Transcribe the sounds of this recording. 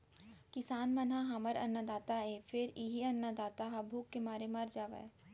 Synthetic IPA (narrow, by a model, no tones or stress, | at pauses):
kɪsaːnmɐnaɦaməɾɐ̰nːad̪aːt̪aeːfʰɪɾiɦiɐnːad̪aːt̪aɦɐbʱuːkːemaːɾemɐɾd͡ʒaːʋḛ